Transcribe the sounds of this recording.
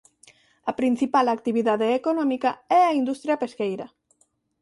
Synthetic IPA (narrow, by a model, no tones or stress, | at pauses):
ɐpɾin̟θipalakt̪iβ̞iðaðeːkonɔmikaɛaind̪ust̪ɾjapeskejɾa